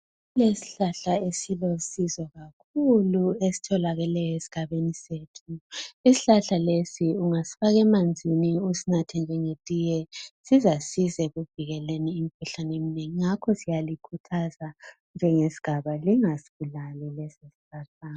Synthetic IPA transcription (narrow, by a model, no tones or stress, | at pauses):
lesi̥ɬaɬaesilosizɔɣakʰuluesi̥tʰɔlaɣɛlɛjɔesi̥ɡ̥ʱaβeniseːtʰuisi̥ɬaɬalesiuŋasi̥faɣɛmand͡zʱiniusinatʰɛnd͡ʒʱɛŋetʼijɛsizasizɛɣuviɣɛleniːm̩kʰuɬanemineŋiŋakʰɔsijalikʰutʰaza | nd͡ʒʱɛŋesi̥ɡ̥ʱaβaliŋasiɣulalilɛsesi̥ɬaɬaːn